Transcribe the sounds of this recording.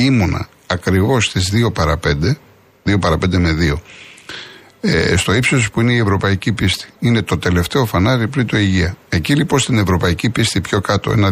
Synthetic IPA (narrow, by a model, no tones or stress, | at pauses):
imonɐ̰ | ɐkɾivo̞st̪izðio̞pɐɾɐpe̞nd̪e | ðio̞pɐɾɐpe̞nd̪e̞me̞ðio̞ | st̪o̞ipsospuine̞ie̞vɾo̞pɐicipist̪i̥ine̞t̪o̞t̪e̞le̞ft̪e̞o̞fɐnɐɾipɾint̪o̞iʝiɐe̞cilipo̞nst̪ine̞vɾo̞pɐicipist̪ipço̞kɐt̪o̞̰enɐ